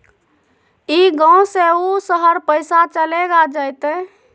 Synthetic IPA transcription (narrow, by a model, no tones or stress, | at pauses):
iɡãwseusəɦəɾpəɪsat͡ʃəleɡad͡ʒəjt̪ɛ